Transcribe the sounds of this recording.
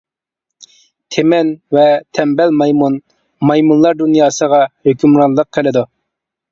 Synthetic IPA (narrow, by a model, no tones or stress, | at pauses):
t̪ʰemɛnvɛt̪ʰɛmbɛlmɑjmun | mɑjmunlˠɑɾd̪unjɑːsəʁɑhøkʲymɾɑnlˠəq̚qʰːelɪd̪u